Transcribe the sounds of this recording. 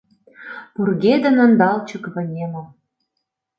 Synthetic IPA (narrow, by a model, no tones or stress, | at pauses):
purɣed̪ə̆nə̆nd̪ɑlt͡ɕə̆kβɤ̆nʲemɤ̆